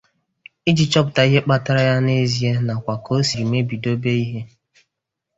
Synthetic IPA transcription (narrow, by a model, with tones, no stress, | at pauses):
i˦d͡ʒi˨t͡ʃɔ˦p̬ʊ˨ta˨i˦ɦe˦k͡pa˦ta˦ɾa˦ja˦ne˦zi˨e˦na˨kʷa˨ko˦o˦si˨ɾi˨me˦bi˨do˦be˦i˦ɦe˦